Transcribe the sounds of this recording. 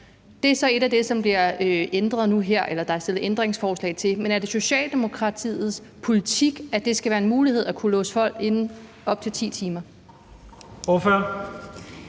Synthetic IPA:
d̥e̝æɐsɒ̽e̝ɾ̥æd̥e̝sɒ̽mb̥liɐøend̥ʁɐðˠnuɦeɐ̰ʔelɐd̥ɑ̈æɐsd̥e̝lð̩ˠend̥ʁeŋsfɒːslɛ̰ɪt͡sʰe̝lmenæɐɾ̥e̝so̝ɕɛ̰ːld̥e̝mo̝kʰʁɑ̈t͡sʰḭːð̩ˠs | pʰo̝lit͡sʰiɡ̥æd̥e̝sɡ̥æʋæːɐenmuːlihe̝ð̞̰ˠækʰulɔ̰ːsə̥fɒ̽l̰ɡ̥e̝n | ɒ̽b̥̚t͡sʰe̝lt͡sʰḭːt͡sʰiːmɐ | oføɐ̰

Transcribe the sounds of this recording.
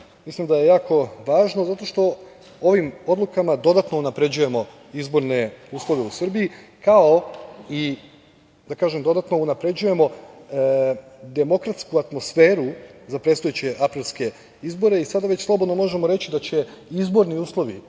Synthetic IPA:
mislimd̪ajejaːko̞ʋaːʒnozat̪o̞ʃt̪o̞ | o̞ʋimod̪lˠukamad̪o̞d̪at̪nounapɾe̞d͡ʑuje̞mo̞ | izbo̞ɾne̞uːslˠo̞ʋe̞usr̩biji | kao̞i | d̪akaːʒemd̪o̞d̪at̪no̞unapɾe̞d͡ʑuje̞mo̞ | d̪e̞mo̞kɾat̪skuat̪mo̞sfeːɾuzapɾe̞t̪st̪ojet͡ɕeʔapɾilˠske̞ | izbo̞ɾe̞isad̪aʋe̞t͡ɕslˠo̞bo̞d̪no̞mo̞ʒe̞mo̞ɾe̞t͡ɕid̪at͡ɕe̞izbo̞ɾniuːslˠo̞ʋḭ

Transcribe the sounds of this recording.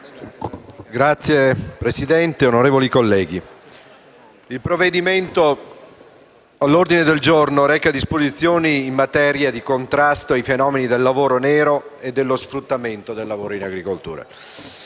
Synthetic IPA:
ɡɾat̪sːjepɾesid̪ɛnt̪eonoɾeːvolikolːɛːɡi | ilpɾovːed̪iment̪o | alːord̪ined̪eld͡ʒornoɾɛkːad̪ispozit̪sːjoːniːmːat̪ɛɾjad̪ikont̪ɾast̪oajfenɔːmenid̪elːavoːɾonɛːɾoed̪ːelːosfɾut̪ːament̪od̪elːavoːɾoinaɡɾikolt̪ṵːɾa̰

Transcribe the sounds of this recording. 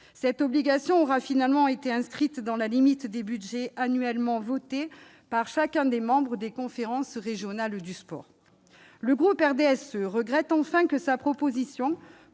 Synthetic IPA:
sɛt̪ɔbliɡasjɔ̃ɔʁafinalmɑ̃et̪eɛ̃skχit̪d̪ɑ̃lalimit̪d̪ebyd̪ʒɛanyɛlmɑ̃vɔt̪e | paʁʃakʲɛ̃d̪emɑ̃bʁəd̪ekɔ̃feʁɑ̃sʁeʒjɔnald̪yspɔ̰ːʁ | ləɡʁupɛʁd̪eɛsøʁəɡʁɛt̪ɑ̃fɛ̃kəsapχɔpozisjɔ̃

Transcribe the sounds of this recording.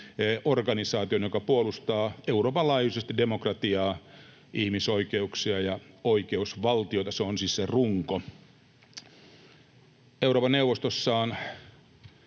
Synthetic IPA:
ʔorɡɑnisɑːt̪ionjokɑpuolust̪ɑːeuroːpɑlɑːjusest̪idemokrɑt̪iɑː | ʔihmisoikeuksiɑjɑoikeusʋɑlt̪iot̪ɑseonsiːsseruŋko | euɾoːpɑneuwʋˑost̪osːɑːn

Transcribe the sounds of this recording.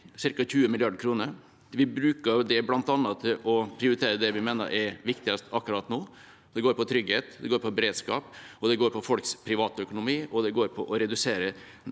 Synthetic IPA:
sɪɾkɑçʉːəmɪlɪɑɖkʰɾuːnəɾ | ʋɪbɾʉːkəɾd̪ɛblɑnt̪ɑnːɑt̪ʰɪlʔɔpʰɾɪʊɾɪt̪ʰeːɾəd̪ɛʋɪmeːnə̰ɾʔɛɾʋɪkt̪ɪɡɑst̪ɑkːʉɾɑt̪ːnoː | d̪ɛɡoːɾpɔt̪ʰɾʏɡheːt̪d̪ɛɡoːɾpʰɔbɛɾeːd̪skɑ̰ːpɔd̪ɛɡoːɾpʰɔfɔlkspʰɾɪʋɑːt̪əœkʊnʊmiːɔd̪ɛɡoːɾpʰɔʔɔɾɛd̪ʉseːɾə

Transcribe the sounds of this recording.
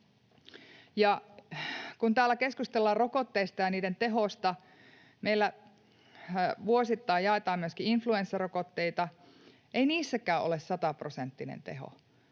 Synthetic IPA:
jɑ | kunt̪æːlːækeskust̪elːɑːrrokot̪ːeist̪ɑjɑniːdent̪eɦost̪ɑ | meilːæ | ʋuosit̪ːɑijjɑet̪ɑːmyøskiinfluensːerokot̪ːeit̪ɑ | ʔeiniːsːækæːʔo̰lessɑt̪ɑprosent̪ːinḛnt̪ḛɦo̰

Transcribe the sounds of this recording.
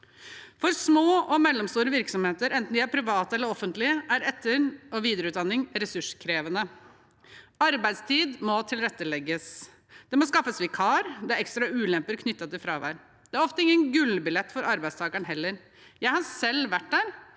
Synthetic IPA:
fɔɾsmoːʔɔmɛlːɔmst̪uːɾəʋɪɾksɔmheːt̪əɾɛnt̪n̩d̪ɪæɾpʰɾɪʋɑːt̪əɛlːəɾɔfənt̪lɪəʔæɾɛt̪ːəɾɔʋiːd̪əɾəʉːt̪̚d̪ɑnːɪŋɾɛsʉʂkʰɾeːʋənə | ɑɾbæɪd̪st̪ʰiːd̪mɔt̪ʰɪlɾɛt̪ːəlɛɡːəs | d̪̥ɛmɔskɑfːəsʋɪkʰɑːɾd̪ɛæɾɛkst̪ɾɑʉːlɛmpəɾkʰnʏt̪ːɑt̪ɪlfɾɑːʋæ̰ɪɾ | d̪ɛæɾɔft̪əɪŋːənɡʉlbɪlɛt̪ːfɔɾʔɑɾbæɪst̪ʰɑːkəɳəɦɛlːəɾ | jæɪhɑɾsɛlʋæʈ̚ːd̪æːɾ

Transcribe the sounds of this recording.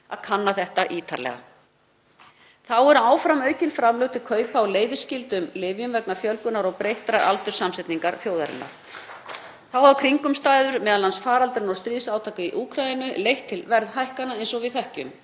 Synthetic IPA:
a̰ðkʰanːaθɛht̪aʔiːt̪ʰa̰ɾlɛ̰ɣa̰ | θawɛɾaːwfɾamœːɥcɪnfɾamlœɣt̪ʰɪkʰœːɥpaawleːjvɪscɪlt̪ʏmlɪvjʏmvɛknafjœlkʏnaɾɔɣpɾejht̪ɾaa̰lt̪ʏɾ̥samsɛt̪niŋkaɾθjowða̰ɾɪ̰nːa̰ɾ̥ | θawawkʰɾiŋkʏmst̪aːjðʏɾmɛːðalansfaːɾalt̪ʏɾʏnɔst̪ɾiːsawt̪ʰaːkaiʔuːkʰɾajɪnʏlejht̪ʰːɪlvɛɾðhajhkanaejnsɔɣvɪðθɛhcʏ̰m

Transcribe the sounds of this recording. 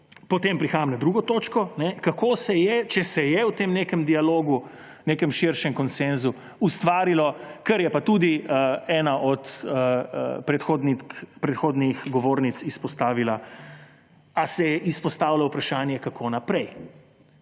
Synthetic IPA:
pɔt̪empɾixaːjɐmnad̪ɾuɡɔt̪oːt͡ʃkɔnɛkakoːsɛjɛt͡ʃɛsɛjɛwt̪eːmneːkɛmd̪ialoːɡu | neːkɛmʃiɾʃɛmkɔnsɛnzu | ust̪ʋaːɾilɔkɛɾjɛpat̪uːd̪iɛːnaʔɔt̪ə̰pɾɛt̪xoːd̪nikpɾɛt̪xoːd̪nixɡɔʋoːɾnit̪sispɔst̪aːʋila | asɛjɛʔispɔst̪aːwlawpɾaʃaːnjɛkakʰonapɾɛj

